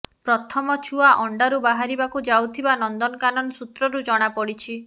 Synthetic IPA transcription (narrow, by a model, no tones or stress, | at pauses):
pɾɔt̪ʰɔmɔt͡ʃʰuaʔɔɳɖaɾubaɦaɾibakud͡ʒawt̪ʰibanɔnd̪ɔnɔkanɔnɔsut̪ɾɔɾud͡ʒɔɽ̃apɔɽit͡ʃʰi